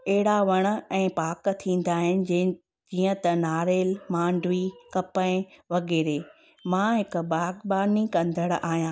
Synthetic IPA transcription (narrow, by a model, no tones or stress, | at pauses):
ɐɦɪɽaʋɐɽ̃̆ɛ̃ːpaːkt̪ʰĩːn̆d̪aːɦɪnɪ̆ | d͡ʑiːə̃t̪ɐnaːɾeːlmãːɳɖʱʋikɐpəɪ̃ʋɐɡeːɾeː | mãːɦɪkbaːɡbaːnikɐ̃nd̪ʱəɽ̃ʔaːɦijãː